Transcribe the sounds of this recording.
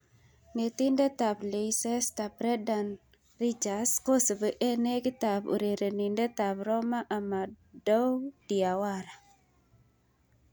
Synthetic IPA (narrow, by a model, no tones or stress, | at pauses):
ŋet̪indət̪apleisɛst̪ap̚ɾɛdan | rit͡ʃaskosəbəʔenekit̪apṵɾeɾənindət̪apɾɔmaʔama | dɔwd̥iawaɾa